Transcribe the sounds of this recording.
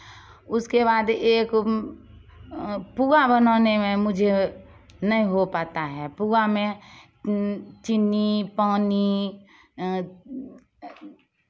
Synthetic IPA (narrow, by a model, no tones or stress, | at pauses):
ʊskeβaːd̪eːk | puːabənaːnemẽmʊd͡ʒʱe | nɐɦĩɦopaːt̪aɦɛːpuːamẽ | t͡ʃɪnːipaːni